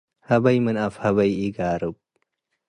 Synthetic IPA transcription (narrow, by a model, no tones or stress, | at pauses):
hɐbɐjmɨnafhɐβɐjiɡaːɾɨb̚